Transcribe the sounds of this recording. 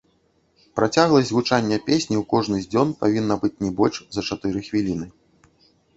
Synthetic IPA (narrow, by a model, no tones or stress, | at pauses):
pɾat͡sʲaɣlˠɐzʲɣut͡ʂanʲːɐpʲesʲnʲiwkɔʐnɨzʲd͡zʲɔnpavʲinːɐbɨt͡sʲnʲɛbɔlʲʂzɐt͡ʂat̪ɨɾɨxvʲilʲinɨ